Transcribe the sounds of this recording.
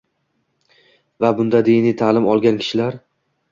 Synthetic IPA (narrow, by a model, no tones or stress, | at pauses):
vabʊnd̪ad̪ijnijt̪ʰalˠɪmɒlˠɡʲankʲʰɪ̥ʃɪlaɾ